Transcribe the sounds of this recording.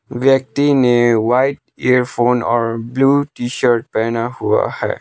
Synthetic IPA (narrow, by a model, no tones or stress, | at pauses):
ʋjək̚t̪inewaɪʈ | ɛɾpʰoːnɔːɹbluʈiʃəɾʈ̚pɛːnaɦua̰hɛ̰ː